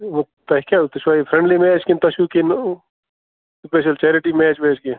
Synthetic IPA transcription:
ot̪ɐɦikat̪uʃwaifʰɾẽɳɖliːmeːt͡ʃkint̪ɐʃuːkin | speːʃɐlt͡ʃɛːɾiʈimeːt͡ʃmeːt͡ʃkin

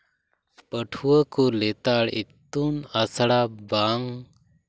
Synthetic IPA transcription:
pəʈʰuəkɔlɛt̪aɽit̪ːunəsɽabaŋ

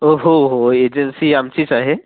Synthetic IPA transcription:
oɦoɦoed͡ʒensiamt͡ʃit͡ʃaɦe

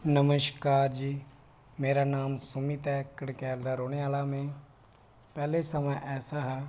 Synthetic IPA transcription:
nəməʃkaːɾd͡ʒiː | meːɾanaːmsʊmit̪ɛːkəɽkɛːld̪aɾoːɽ̃eaːlamẽ | pɛːlesɐməʔɛːsaɦɛː

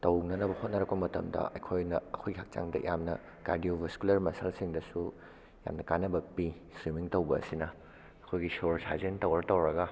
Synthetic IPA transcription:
tɐwnɐnɐbɐhot̚nɐɾɐk̚pɐmɐtɐ̰mdɐ̰ʔɐjkʰojnɐ̰ɐkʰojɡihak̚t͡ʃa̰ŋdɐ̰jamnɐ | ka̰ɾdiobʱɐskulɐɾmɐsalsiŋdɐsu | ja̰mnɐkanːɐbɐpi | swimiŋtɐwbɐ̰ːsinɐ | ɐkʰojɡisoɾsʰa̰zentɐwɾɐtɐwɾɐɡɐ

